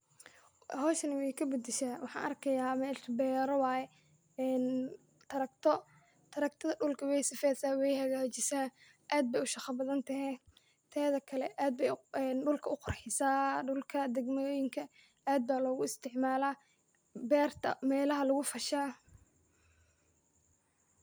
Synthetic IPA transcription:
ɦɔːʃɐnɪwɛjkʰɐbɐd̪ɪʃaːwɑħɑ̰ːnʔɐrkʰɐjaːmɛːʃbɛːɾɔwɑːjɛ | ɛːn | t̪ʰɐɾɐk̚t̪ʰɔ | t̪ʰɐɾɐk̚t̪ʰɐðɐɖʊlkʰɐwɛjsɪfɛːsaːwɛjhɐɣaːt͡ʃɪsaː | ʔaːd̪̚bɛjʊʃɑqɐbɐðɐnt̪ʰɐɦɛ | t̪ʰɛːðɐkʰɐlɛ̰ʔaːd̪̚bɛjɛːnɖʊlkʰɐʔʊqʊrħɪsaːɖʊlkʰɐd̪ɛɡmoːjɪŋkʰɐ | aːd̪̚baːlɔːɣʊɪst̪ʰɪʕmaːlaː | bɛːrt̪ʰɐ̰mɛːlɐɦɐlʊɣʊfɐʃaː

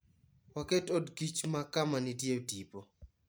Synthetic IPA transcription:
wakɛtodkit͡ʃmakamanitjetipo

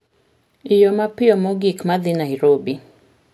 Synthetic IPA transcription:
ijɔmapiɔmɔɡikmaðinaiɾɔbi

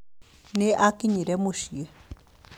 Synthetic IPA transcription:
neʔakiɲiɾɛmoʃie

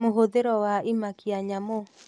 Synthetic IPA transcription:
moɦoðeɾɔwaimakiaɲamo

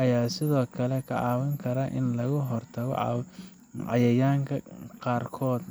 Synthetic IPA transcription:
ɐjaːsɪðɔːkʰɐlɛkʰɐ̰ʕɑːwɐŋkʰɐɾɐʔɪnlɐɣʊɦɔrt̪ʰɐɣɔ̰ʕɑ̰w | ʕɑ̰jɐjaːŋkʰɐqɑːrkʰɔːd̪

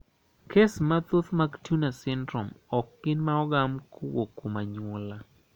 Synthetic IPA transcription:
kʰesmat̪ot̪maɡtjunasɛndɾomɔkːɪnmaɔɡamkʰowokːomaɲʊla

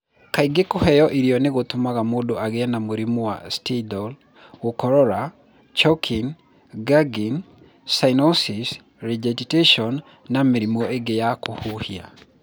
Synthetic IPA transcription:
kaiɡekohɛjɔʔiɾiɔneɣot̪omaɣamodoʔaɣeanamoɾimowa̰stidɔl | okɔɾɔɾa | t͡ʃɔkʰin | ɡaɡin | sainɔsis | ɾɛd͡ʒɛditeʃɔnː | ameɾimɔeɡejakohuhia

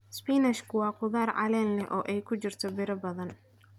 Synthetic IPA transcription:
spiːnɛʃkʰʊwɑːqʊðaːrʕɑ̰lɛːnlɛʔɔːʔɛjkʰʊt͡ʃɪrt̪ʰɔbɪɾɐbɐðɐn

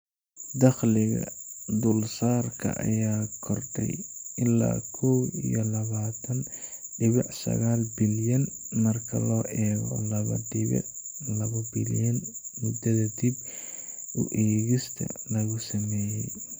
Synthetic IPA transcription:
d̪ɐχlɪɣɐ̰d̪ʊlsaːrkʰɐ̰ʔɐ̰jaːkʰɔrɖɛ̰jɪlːa̰ːkʰɔwḭjɔlɐβaːt̪ʰɐnɖɪβɪʕsɐ̰ɣaːlbɪljɐn | mɐrkʰɐlɔːʔɛːɣɔlɐβɐ̰ɖɪβɪ̰ʕlɐβɐbɪljɐnmʊd̪ɐðɐd̪ib | ʔʊ̰ʔɛːɣɪst̪ʰɐ̰lɐɣʊsɐmɛːjɛj

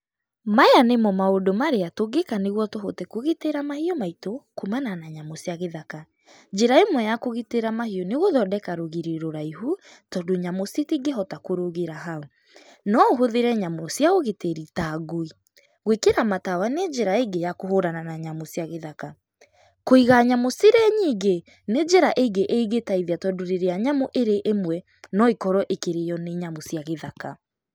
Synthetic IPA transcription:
maeanemɔmaodomaɾeatoɡekaneɣwɔtoɦotekoɣiteɾamahiɔmaitokumananaɲamosjaɣeðaka | d͡ʒeɾaemwɛjakoɣiteɾamahiɔneɣoðɔdɛkaɾoɣiɾeɾoɾaiɦu | tɔdoɲamositiɡeɦɔtakoɾoɣeɾaɦao | nɔoɦoðeɾɛɲamosjaoɣeteɾitaːɡoi | ɣwekeɾamatawaned͡ʒɛɾaeɡejakoɦoɾananaɲamosiaɣeðaka | koiɣaɲamosiɾɛɲiːɡe | ned͡ʒeɾaʔeɡeʔeiɣetaiðjatɔdoɾeɾeaɲamoʔeɾeʔemwɛ | nɔikɔɾɔʔekeɾejɔneɲamosjaɣeðaka

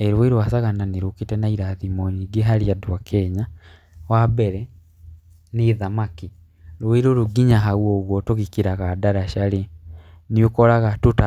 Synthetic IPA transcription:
eɾuwiɾuasaɣananiɾukitɛnaiɾaðimɔɲiɡeɦaɾiadwakʰɛɲa | wabɛɾɛ | niðamaki | ɾwwiɾuɾuɡiɲaɦawɔɣwɔtoɣikiɾaɣadaɾaʃale | niukɔɾaɣatuta

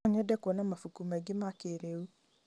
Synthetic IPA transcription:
ɲɛdɛkonãmafukumɛɡɪmakeɾewu

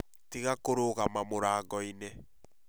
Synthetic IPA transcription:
tiɣakoɾoɣamamoɾaːɡɔinɛ

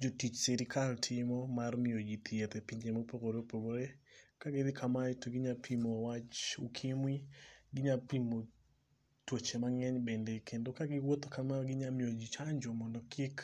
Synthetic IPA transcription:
d͡ʒotit͡ʃsɛɾikʰaltʰɪmɔmarmɪod͡ʒit̪jet̪ɛpiɲd͡ʒemopokoɾopoɡoɾekaɡed̪ɪkʰamaitoɡɪɲapʰimowat͡ʃukʰɪmwiɡɪɲapimo | twot͡ʃemaŋɛɲbɛndɛkʰendokaɡɪwot̪okamaɡɪɲamɪod͡ʒit͡ʃaɲd͡ʒomɔndɔkʰɪk

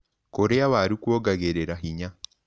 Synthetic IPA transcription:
koɾeawaɾukwoɡaɣeɾeɾaɦiɲa

